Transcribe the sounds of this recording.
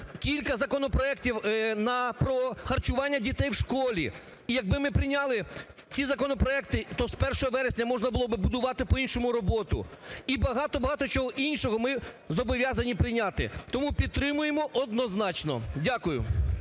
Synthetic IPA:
kʲilʲkɐzɐkɔnɔpɾɔɛktʲiwnɐpɾɔxɐrt͡ʃʊʋɑnʲːɐdʲit̪ɛjwʃkɔlʲi | ijɐɡ̚bɪmɪpɾɪnʲɑlˠɪ | t͡sʲizɐkɔnɔpɾɔɛkt̪ɪt̪ɔspɛrʃɔɦɔʋɛɾesʲnʲɐmɔʒnɐbʊlˠɔbɪbʊd̪ʊʋɑt̪ɪpɔinʃɔmʊɾɔbɔt̪ʊ̰ibɐɦɑt̪ɔbɐɦɑt̪ɔt͡ʃɔɦɔʔinʃɔɦɔmɪ | zɔbɔʋʲjɑzɐnʲipɾɪnʲat̪ɪ̰t̪ɔmupʲid̪̚t̪ːɾɪmʊjemɔʔɔd̪nɔznɑt͡ʃnɔ̰dʲakʊjʊ̰

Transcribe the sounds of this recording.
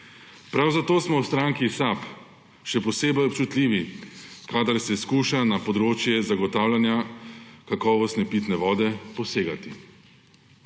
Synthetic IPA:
pɾawzat̪oːsmɔwst̪ɾaŋkisap | ʃɛpɔseːbɛjɔpt͡ʃut̪lʲiːʋikad̪aɾsɛskuːʃanapɔd̪ɾoːt͡ʃjɛzaɡɔt̪aːwlanjakakɔːʋɔst̪nɛpiːt̪nɛʋɔːd̪ɛpɔseːɡat̪i

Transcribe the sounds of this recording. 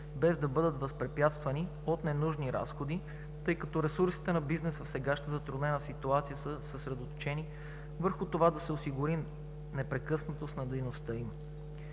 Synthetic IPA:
bɛzd̪ɐbɤd̪ət̪vɐspɾɛpjat̪st̪vɐni | ot̪nɛnuʒniɾa̰sxod̪i | t̪ɤjkɐt̪ɔɾɛsuɾsi̥t̪ɛnɐbiznɛsəfsɛɡaʃnəzɐt̪ɾʊd̪nɛnəsit̪uat̪sijəsəsəsɾɛd̪ot̪o̥t͡ʃɛni | vəɾxʊt̪ovad̪ɐsɛosiɡuɾi | nɛpɾɛkɤsnɐt̪osnɐd̪ɛjnost̪ɤim

